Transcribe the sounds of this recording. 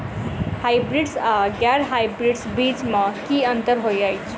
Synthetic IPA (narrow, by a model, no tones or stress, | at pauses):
hajbɾiɖsʌɡjaɾɦajbɾiɖsbit͡smʌkiʌnt̪ʌɾɦojʌjt͡sʰ